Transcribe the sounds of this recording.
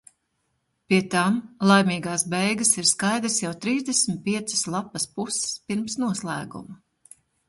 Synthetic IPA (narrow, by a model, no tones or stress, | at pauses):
piɛt̪amlˠajmiːɡaːsbɛjɡɐsiɾskajd̪ɾəsjawt̪ɾiːzd̪ʲɛsmit̪̚piɛt̪sɨ̥slˠapɐspusɛ̥spiɾmsnuɔslˠæ̰ːɡṵmɐ